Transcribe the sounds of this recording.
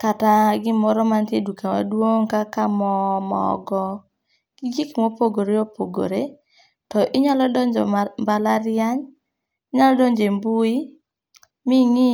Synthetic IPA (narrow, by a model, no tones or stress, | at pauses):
kataɡɪmɔɾɔmantedukawa̰dwoŋkakamɔmɔ̰ɡɔ | kiɡikmopoɡoɾeopoɡo̰ɾe | tɔʔɪɲalɔdɔɲd͡ʒɔ̰mbalaɾɪaɲ | ɪɲalɔdoɲd͡ʒembui | miŋi